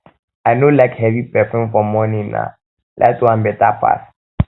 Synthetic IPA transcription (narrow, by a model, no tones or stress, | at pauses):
aɪnolaɪkhɛvipɛfɛ̃nfɔmɔ̃nina̰ | lʔa̰tuãmbɛtapʰa̰s